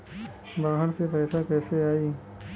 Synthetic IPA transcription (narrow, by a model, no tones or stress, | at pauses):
baːɦəɾsepɛːsakɛːseaːiː